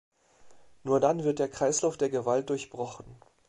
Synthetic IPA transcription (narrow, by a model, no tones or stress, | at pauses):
nuːɐdanvɪɐt̚d̥eːɐkʁ̥aɪslaʊfd̥eːɐɡəvalt̚d̥ʊɐçb̥ʁɔχn̩